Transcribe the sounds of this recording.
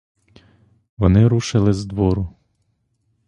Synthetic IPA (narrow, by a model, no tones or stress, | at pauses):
ʋɔnɪɾuʃɪlˠɪzd̪ʋɔɾʊ